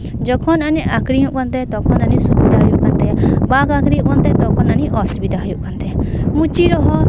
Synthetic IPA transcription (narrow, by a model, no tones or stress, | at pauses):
d͡ʒɔkʰɔnanɛʔakɽiɦũʔkɔnt̪ɛt̪ɔkʰɔnanisubid̪ʱaɦɔjuʔkant̪ɛbaɡakɾiũʔkɔnt̪ɛt̪ɔkʰɔnaniʔɔsubid̪aɦɔjuʔkant̪ɛmut͡ʃiɾɔɦɔ